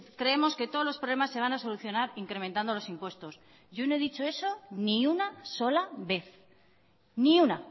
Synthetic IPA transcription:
kɾe̞emo̞ske̞t̪olo̞spɾo̞β̞le̞masːe̞β̞anaso̞luθjo̞naɾiŋkɾemẽnt̪and̪o̞lo̞simpwe̞st̪o̞s | ʝonoeðit͡ʃo̞e̞so̞niunaso̞laβe̞θ | niuna

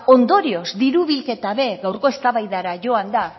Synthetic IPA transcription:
o̞nd̪o̞ɾio̞zd̪iɾuβilke̞t̪aβe̞ɡawɾko̞e̞st̪aβajðaɾaʝo̞and̪a

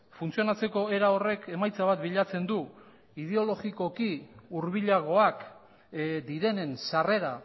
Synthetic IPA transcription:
funt͡sio̞nat͡se̞ko̞e̞ɾao̞re̞ke̞majt͡saβat̪biʎat͡se̞nd̪u | ið̞e̞o̞lo̞ɣiko̞kiuɾβiʎaɣ̞o̞ak | d̪iɾe̞ne̞nsare̞ɾa

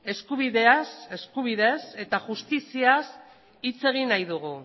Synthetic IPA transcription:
e̞skuβ̞iðe̞ase̞skuβ̞iðe̞se̞t̪aʝust̪isias | it͡se̞ɣ̞inajðuɣ̞u

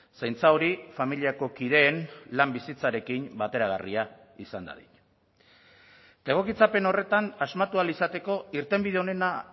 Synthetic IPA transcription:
sajnt͡saoɾifamiliako̞kið̞e̞ːnlambisit͡saɾe̞kimbat̪e̞ɾaɣ̞a̰ria | isand̪a̰ðḭɲ | t̪e̞ɣ̞o̞kit͡sape̞no̞re̞t̪anazmat̪ualisat̪e̞ko̞iɾt̪e̞mbiðe̞o̞ne̞na

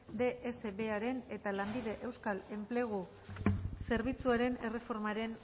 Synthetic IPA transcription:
d̪e̞ʔese̞βe̞aɾe̞ne̞t̪alambið̞e̞ʔe̞wskale̞mple̞ɣ̞u | se̞ɾβ̞it͡suaɾe̞ne̞re̞fo̞ɾmaɾe̞n

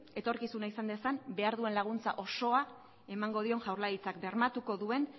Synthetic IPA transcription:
e̞t̪o̞ɾkisunaisand̪e̞sanbe̞aɾðue̞nlaɣ̞unt͡sa̰ʔo̞so̞a | e̞maŋɡo̞ð̞io̞nʝawɾlaɾit͡sakbe̞ɾmat̪uko̞ðue̞n

